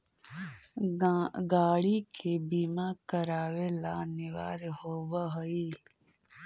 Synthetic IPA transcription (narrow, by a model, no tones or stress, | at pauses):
ɡaːɽikʰebiːmakəɾaːʋelanɪʋaːɾɦoːʋəɦəi